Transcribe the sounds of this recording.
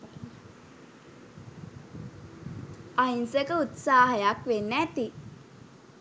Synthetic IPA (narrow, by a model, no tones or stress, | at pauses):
ainsəkəut̪saːɦəjakʋenːæːt̪i